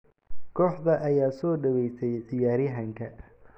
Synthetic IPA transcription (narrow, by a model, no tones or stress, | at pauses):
kʰɔːħdɐʔɐjaːsɔːɖɐwɛjsɛjʕɪjaːɾɪɦɐŋkʰɐ